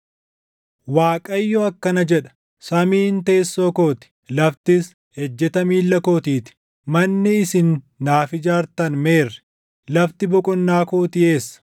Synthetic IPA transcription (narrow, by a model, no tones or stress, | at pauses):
waːkʼɐjːɔɐkːɐnɐd͡ʒɛᶑɐ̥ | sɐmiːnt̪e̞ːsːoːkoːt̪ɪ̥lɐft̪ɪs | hɛd͡ʒːɛt̪ɐmiːlːɐkoːt̪iːt̪ɪ̥ | mɐnːɪɪsɪnː | aːfɪd͡ʒaːɾt̪ɐnme̞ːrːɛ̥ | lɐft̪ɪbɔkʼʊnːaːkoːt̪ɪe̞ːsːɐ̥